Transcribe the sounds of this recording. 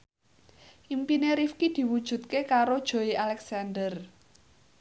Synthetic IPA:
ʔimpineɾifkid̪̥i̤wud̥ʒ̥ṳt̪̚kekaɾod̥ʒ̥o̤iʔalɛksand̪ər

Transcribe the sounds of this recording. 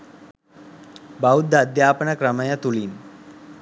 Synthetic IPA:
baud̪ʱːaːd̪jaːpənakɾəmajat̪uliːn

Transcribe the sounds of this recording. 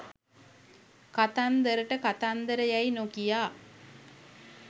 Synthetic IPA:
kat̪and̪əɾəʈəkat̪and̪əɾəjajnokijaː

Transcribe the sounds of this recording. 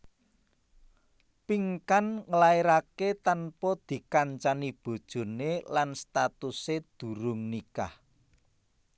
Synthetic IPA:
piŋkanŋəlaiɾaket̪anpɔd̪̥i̤kaɲt͡ʃanib̥o̤d̥ʒ̥o̤nelanst̪at̪used̪̥ṳɾʊŋnikah

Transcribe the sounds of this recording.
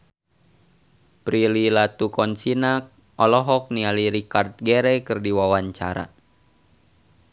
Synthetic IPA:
pɾililat̪ukɔnsinak̚ | ʔɔlɔɦɔk̚nialiɾikart̪̚ɡɛɾɛkɨrdiwawaɲt͡ʃa̰ɾa̰

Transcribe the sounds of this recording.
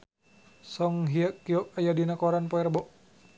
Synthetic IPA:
sɔŋɦiakːiɔk̚ajadinakɔɾanpɔɛrbɔʔ

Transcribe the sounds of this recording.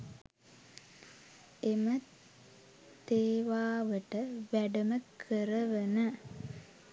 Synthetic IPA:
emə | t̪eːʋaːʋəʈəʋæɖəməkʰəɾəʋənə

